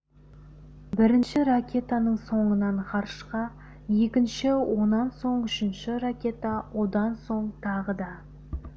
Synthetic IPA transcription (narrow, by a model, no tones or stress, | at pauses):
bɪɾɪnʃɪrakʲʰe̞t̪ɑnəɴso̞ɴənɑɴqʰɑɾʃqɑ | je̞kʲɪnʃɪwo̞nɑnso̞ɴʏʃɪnʃɪrakʲe̞t̪ɑwʔo̞d̪ɑnso̞ɴt̪ʰɑʁəd̪ɑ